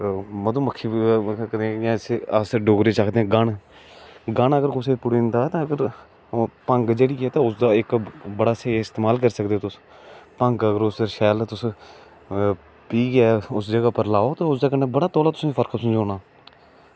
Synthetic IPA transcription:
məd̪uːməkʰːiːkəd̪ẽjãːseəsɖoːɡɾeːt͡ʃaːkʰd̪eɛ̃ːɡaɳ | ɡəɳːəɡəɾkʊseːpʊɽiːnd̪aːt̪ãːəɡəɾ | pəŋɡd͡ʒeːɽiːkɛːt̪ãːʊsd̪aːɪkbəɽaːseːaːɪst̪eːmaːlkəɾsəkd̪eoːt̪ʊs | pəŋɡəɡəɾʊsəɾʃɛːlt̪ʊs | piːɡɪaːʊsd͡ʒəɡaːpəɾlaːoːt̪ãːʊsd̪aːkənːeːbəɽaːt̪ɔːlaːt̪ʊ̥sːiːpʰəɾkʰsə̃nd͡ʒoːnaː

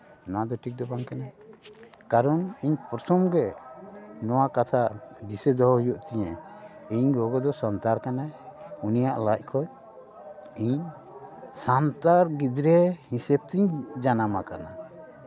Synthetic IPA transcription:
ɔnad̪ɔʈʰik̚d̪ɔbaŋkana | kaɾɔniɲpɾsʰɔmɡɛ | nɔwakat̪ʰad̪isɛd̪ɔɦɔhujɔʔt̪ɛɲɛ̃iɲɡɔɡɔd̪ɔsɔnt̪aɾkanaunijaʔlac̚kʰɔc̚ | iɲ | sant̪aɾɡid̪ɾɛhisɛb̚t̪iɲd͡ʒanamakana̰

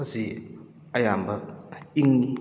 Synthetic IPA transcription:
zi | ɐjambɐiŋ

